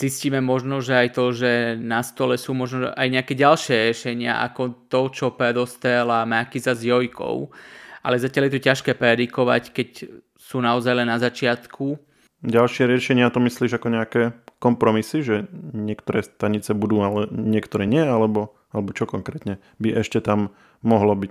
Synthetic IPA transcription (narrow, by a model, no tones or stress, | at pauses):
z̥isciːmɛmɔʒnɔʒɛajt̪ɔʒɛnast̪ɔlɛsuːmɔʒnɔʒɛ̰ʔajɲɛakɛːɟalʃɪɛɾjɛʃɛɲɪa̰ʔa̰kɔt̪ɔt͡ʃɔpɾɛd̪ɔst̪ɛlamakizazjɔjkʰɔ̰ʊʔa̰lɛzacɪaljɛt̪ɔcaʃkɛːpɾɛd̪ikɔʋa̰ckɛc | suːnaɔzajlɛnːazat͡ʃɪat̪kʰu | ɟalʃɪɛɾɪɛʃɛɲɪat̪ɔmisliːʒakɔɲɛakɛːkɔmpɾɔmisiʒɛɲɪɛkt̪ɔɾɛːst̪aɲit͡sɛbud̪uːalɛɲɪɛkt̪ɔɾɛːɲɪɛalɛbɔ | alɛbɔt͡ʃɔkɔŋkɾɛːt̪ɲɛ | biʔɛʃcɛt̪amː | ɔɦlɔbic